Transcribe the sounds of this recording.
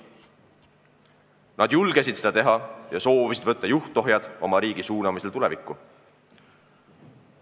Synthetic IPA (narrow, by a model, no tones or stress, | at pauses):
nɑd̪̥julɡ̥esʲid̪̥sed̪̥ɑt̪e̞ɦɑjɑso̞ːvisid̪̥vɤt̪ːɑjuht̪ˑo̞ɦjɑd̪̥o̞mɑɾiːɡ̥isuːnɑmiselt̪ulḛvikːˑu